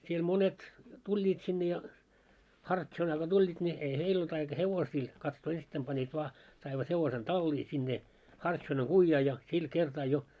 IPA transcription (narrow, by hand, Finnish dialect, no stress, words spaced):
siel monet tulʲːiːt sinːe jɑ hɑrtʃonɑː ɡ̊o tulʲːiːt nʲi ei heil olt ɑikɑ heʋosiː kɑtsoː ensitːæim pɑnːiːt ʋɑː sɑiʋɑt heʋosen tɑlːiː sinːe hɑrtʃonɑŋ ɡ̊uijːɑː jɑ sil kertɑː jo